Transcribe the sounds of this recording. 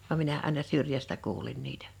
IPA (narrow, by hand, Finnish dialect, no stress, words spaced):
ʋɑm minæ ɑˑenɑ syrjæstæ kuːlin niːtæ̥